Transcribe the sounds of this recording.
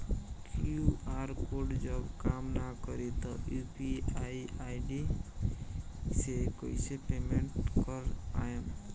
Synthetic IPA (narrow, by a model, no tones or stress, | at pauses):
kuaɾkoɾɖd͡ʒəbkamnakɔɾit̪ɔjupiaiaiɖi | sekoisepemeɳʈkɔɾa̰jen